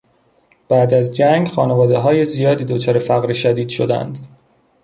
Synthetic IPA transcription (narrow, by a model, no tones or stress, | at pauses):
b̥æːd̪æzd͡ʒæŋɡxɒːnevɒːd̪eɦɒːje̞zijɒːd̪iːd̪ot͡ʃʰɒːɾefæɣɾiʃæd̪iːd̪̥ʃo̞d̪æ̰nd̪